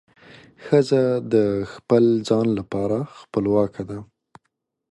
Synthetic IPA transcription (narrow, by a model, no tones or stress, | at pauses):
xəzad̪əxpəld͡zɑnlapɑɾaxpəlwɑkʰad̪a